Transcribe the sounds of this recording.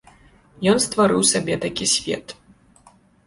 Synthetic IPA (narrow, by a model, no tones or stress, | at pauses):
jɔnst̪vaɾɨwsʲabʲɛt̪akʲisʲvʲɛ̰t̪